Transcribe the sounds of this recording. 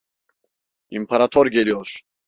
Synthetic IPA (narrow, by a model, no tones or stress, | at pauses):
ḭmpʰaɾat̪ʰɔɾɡɛliɔʃ